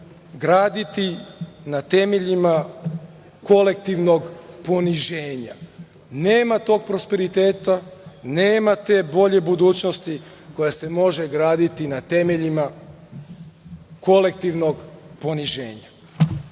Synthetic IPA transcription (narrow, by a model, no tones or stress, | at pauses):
ɡɾaːd̪it̪inat̪e̞me̞ʎima | ko̞le̞k̚t̪iʋno̞ɡpo̞niʒeːɲa̰ | neːmat̪o̞ːɡ̚pɾo̞spe̞ɾit̪e̞ːt̪aneːmat̪e̞ːbo̞ʎe̞bud̪uːt͡ɕnost̪i | ko̞jase̞mo̞ʒe̞ɡɾaːd̪it̪inat̪e̞me̞ʎima | ko̞le̞k̚t̪iʋno̞ɡpo̞niʒe̞̰ːɲa